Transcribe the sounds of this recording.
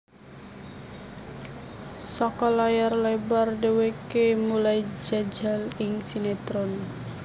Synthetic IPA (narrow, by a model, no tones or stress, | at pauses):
sɔkɔlajarlabardewekemulajd͡ʒad͡ʒalɪŋsinet̪ɾɔn